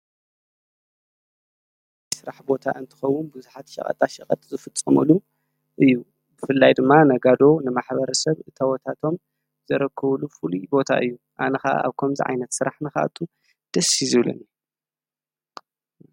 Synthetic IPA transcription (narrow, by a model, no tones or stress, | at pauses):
sɨɾaħbo̞t̪ʰa̰ʔɨnt̪ʰɨ̥xɐwːʊnbɨzuħat̪ʃɐ̰kʼɐ̰t̪ʼaʃɐχʼɐ̰t̪ʼzɨfɨt͡sʼːɐmɨ̰lu | ʔɨjːu | bɨfɨlːajd̪ɨmːanɐɡad̪o̞nɨmaħβɐɾɐsɐβɨt̪ʰɐwot̪ʰat̪ʰo̞m | zɐɾɐkʰːɐβlufɨlibo̞t̪ʰa̰ʔɨjːu | ʔa̰nɐxaʔa̰ʔa̰βkʰɐmzḭʕa̰jnɐt̪sɨɾaħnɨxa̰ʔt̪ʰu | d̪̥ɐsizɨβlɐ̰ni